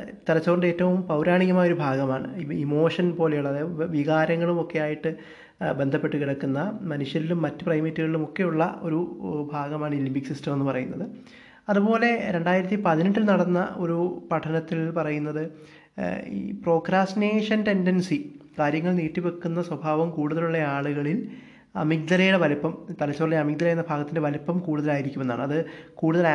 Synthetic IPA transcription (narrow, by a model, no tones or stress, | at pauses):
t̪iɾɐt͡ɕːuɣoɳɖe̞ːtːɐʋumpɐwɾaːɳiɣɐmaːjoɾubʱaːɡɐmaːɳɨ̰imo̞ːʂɐnpo̞ːle̞juɭːɐðeʋiɣaːɾɐŋːɐɭumo̞kːe̞jaːjiʈːɨ | be̞nd̪ʱɐpːe̞ʈːukiɽɐkːunːɐmɐnuʂjɐɾilumːɐtːɨ̥prɐjmitːuɣɐɭilumo̞kːe̞juɭːɐo̞̰ɾubʱaːɡɐmaːɳilibiksistɐmenːɨpɐrɐ̰junːɐðɨ | ɐðupo̞ːle̞ɾe̞ɳɖaːjiɾɐt̪ːipɐðiniʈːilnɐɽɐnːɐ̰o̞ɾupɐʈʰɐnɐt̪ːilpɐrɐjunːɐðɨ | ḭːpro̞ːkɾaːstineːʂɐnte̞ndensikaːɾjɐŋːɐɭniːʈːipekːunːɐswɐbʱaːʋɐmkuːɽuðɐluɭːɐaːɭuɣɐɭil | ɐ̰mik̚d̪ɐlɐjuɽe̞ʋɐlipːɐmt̪ɐlɐt͡ɕːɐɭːliɐmik̚d̪ɐlaːjunːɐbʱaːɡɐt̪ːinde̞ʋɐlipːɐmkuːɽuðɐlaːjiɾikʲːumenːa̰ːɳɨɐðɨkuːɽuðɐla